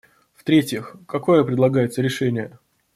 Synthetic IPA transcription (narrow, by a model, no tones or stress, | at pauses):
ft̪ɾʲetʲjɪxkɐkojəpɾʲɪd̪lˠɐɡajɪt̪səɾʲɪʂɛnʲɪjə